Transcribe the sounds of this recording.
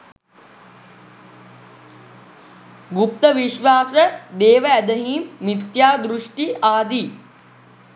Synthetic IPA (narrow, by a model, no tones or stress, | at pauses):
ɡup̚t̪ɐʋiʃʋaːsɐd̪eːʋɐɐd̪ɐɦiːmːit̪jaːd̪ɾuʂʈiʔaːd̪i